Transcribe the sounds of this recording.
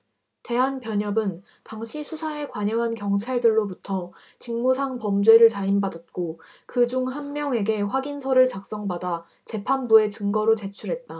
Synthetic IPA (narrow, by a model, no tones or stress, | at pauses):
te̞ɦanpjʌɲʌbɯn | taŋɕʰisʰusʰaekwaɲʌŋɦankjʌŋt͡ɕʰaɭdɯɭːobutʰʌ | t͡ɕiŋmusʰaŋpʌmd͡ʑwe̞ɾɯɭt͡ɕaimbadat̚k͈o | kɯd͡ʑuŋɦanmjʌŋe̞ɡe̞ɸwaɡinsʰʌɾɯɭt͡ɕak̚s͈ʌŋbada | t͡ɕe̞pʰanbue̞t͡ɕɯŋɡʌɾot͡ɕe̞t͡ɕʰuɾɦe̞t̚t͈a